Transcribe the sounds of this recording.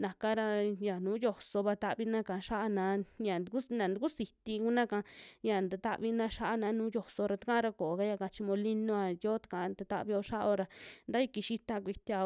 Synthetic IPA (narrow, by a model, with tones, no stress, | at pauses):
nã˨ka˦ɾa˧ja˨nũː˨˦jo˧so˧βa˧t̪a˧βi˧˦nã˦kã˨˧ʃa˦ʔa˧nã˧˦ɲa˨nd̪u˧ku˦nã˨d̪u˧ku˦si˨t̪i˧ku˦nã˦kã˧ja˨˧nd̪a˧t̪a˦˧ʔβi˧nã˧˦ʃa˦ʔa˧nã˨˧˦nũː˦jo˧so˧ɾa˧t̪a˦kã˦ɾa˧ko˨ka˦ja˧ka˧t͡ʃi˧mõ˧li˦nõ˧a˧jo˦t̪ḁ˧ka˧˨˧d̪a˧t̪a̰˧βi˧o˧ʃa˦ʔo˧ɾa˧nd̪a˦i˦˧˦ki˧ʃi˦t̪a˧kʷi˧t̪ʲa˧